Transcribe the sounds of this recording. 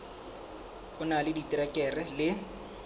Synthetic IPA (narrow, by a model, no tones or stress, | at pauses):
ʊnalɪditʼiɾakʼɛrɛlɪ